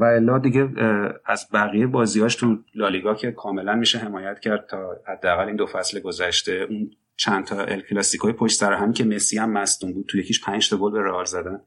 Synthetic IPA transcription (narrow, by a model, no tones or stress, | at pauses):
væelːɒːd̪iɟeæzbæɣijebɒːzihɒːʃt̪ʰulɒːliɡɒcʰe̞kʰɒːme̞lænmiʃeɦe̞mɒːjæt̪ʰcʰæɾd̪̚t̪ʰɒːhæd̪ːeæɣæliːnd̪o̞fæsleɡo̞zæʃt̪e̞ʔun | t͡ʃʰænt̪ʰɒʔḛlkʰlɒːsikʰɒːjepʰoʃt̪sæɾoɦæmicʰe̞me̞siæmːæsd̪umbuːd̪̚tʰuje̞cʰiʃpʰænd͡ʒt̪ʰɒɡolbe̞ɾeɒːlzæd̪æn